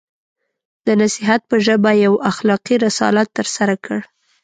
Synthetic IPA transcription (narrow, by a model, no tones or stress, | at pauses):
d̪̥ənasɪɦat̪̚pəʒəbajawaxlɑqiɾɪsɑ̰lat̪ːəɾsaɾakʰəɽ